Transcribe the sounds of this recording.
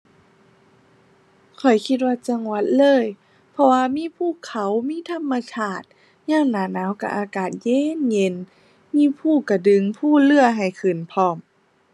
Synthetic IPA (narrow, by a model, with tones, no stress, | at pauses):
kʰɔ˨˩jkʰi˧t̪̬̚waː˧t͡ɕa˧ŋwa˧˥t̪̚lɤː˧˥˨j | pʰɔ˧waː˧miː˧˥˨pʰuː˧˩˨kʰa˨˦wmiː˧˥˨t̪ʰa˧˥˨mːa˧sʰaː˧˩t̪̚ | ɲaː˧˩˨ŋnaː˨˩naː˧˥˨wka˧˩ʔaː˧˩kaː˨˩t̪̚jeː˧˥˨nɲe˧˥˨n | miː˧˥˨pʰuː˧˩ka˧˩dɯ˧˨ŋpʰuː˧˥˩lɯ˧˩ɐɦa˨˩jkʰɯ˨˩npʰɔː˧˩m